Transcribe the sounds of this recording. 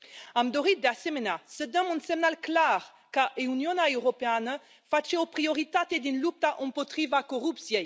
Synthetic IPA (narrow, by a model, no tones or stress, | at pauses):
amd̪oʁit̪̚d̪asemenasəd̪ɔmũnsemnalklaʁ | kaeunjɔnaewʁopean | fat͡ʃeopʁioʁit̪at̪ed̪ynlup̚t̪aʔɔ̃mpɔt̪χivakoʁupsjɛj